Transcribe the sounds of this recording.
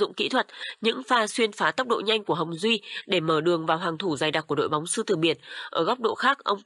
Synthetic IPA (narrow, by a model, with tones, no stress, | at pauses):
zʊ̰˧˨ŋ͡mkḭ˧˥t̪ʰwə˨˩t̚ɲɨ̰˧˥ŋfaː˧swi˧ənfaː˨˦t̪ə˦˥k͡p̚ɗo̰˧˨ɲa˧jŋ̟ku˧˩əɦə˨˩wŋ͡mzwi˧ɗe˧˩məː˧˩ɗɨ˨˩əŋvaː˨˩wɦaː˨˩ŋt̪ʰu˧˩zaː˨˩jɗaː˨˩ku˧˩əɗo̰˧˨jɓa˨˦wŋ͡msɨ˧t̪ɨ˧˩ɓi˧˩ənʔʔəː˧˩ɣɔ˦˥k͡p̚ɗo̰˧˨xaː˦˥k̚ʔə˧wŋ͡m